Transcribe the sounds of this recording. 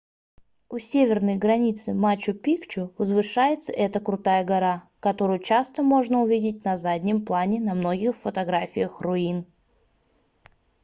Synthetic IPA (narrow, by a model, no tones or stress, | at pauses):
ʊsʲevʲɪrnəjɡɾɐnʲit̪sɨmat͡ɕːʊpʲikt͡ɕʊvəzvɨʂajɪt̪sə̰ʔɛt̪əkɾʊt̪ajəɡɐɾa | kɐt̪o̞ɾʊjʊt͡ɕast̪əmo̞ʐnəʊvʲidʲɪt̚ʲnɐzadʲnʲɪmplˠanʲɪnɐmno̞ɡʲɪxfət̪ɐɡɾafʲɪjəxrʊin